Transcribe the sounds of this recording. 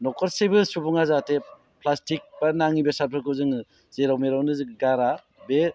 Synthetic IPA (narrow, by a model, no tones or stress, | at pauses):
nɔkʰɔɾsebɯsubuŋazate | pʰlastik̚banaŋibesapʰɾɯkʰɯzɯŋɯ | zeɾawmeɾawnɯzɯɡaɾa | be